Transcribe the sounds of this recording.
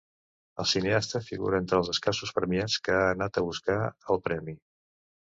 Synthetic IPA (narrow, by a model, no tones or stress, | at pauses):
əlˠsineast̪əfiɣṵɾəent̪ɾəːlˠzəskasuspɾəmiat͡skəaːnat̪əβuskaəlˠpɾɛmi